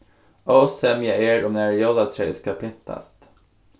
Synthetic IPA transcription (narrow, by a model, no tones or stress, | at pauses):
ɔːsɛmjaeːɾɔmnæɾjɔlat̪ʰɾɛ̰ːskapʰɪnt̪ʰa̰st̪